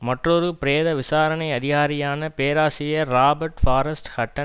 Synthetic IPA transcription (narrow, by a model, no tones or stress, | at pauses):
mɐʈrɔɾɯpɪɾeːðɐʋɪsaːɾɐnɐɪɐðɪɣaːɾɪjaːnɐpeːɾaːsɪjɐɾaːbɐɾʈfaːɾɐsʈhɐʈːɐ